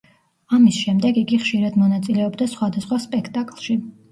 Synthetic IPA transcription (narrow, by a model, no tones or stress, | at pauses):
amisʃɛmd̪ɛɡiɡiχʃiɾad̪mɔnat̪sʼilɛɔbd̪asχwad̪asχwaspʼɛkʰt̪ʼakʼlˠʃi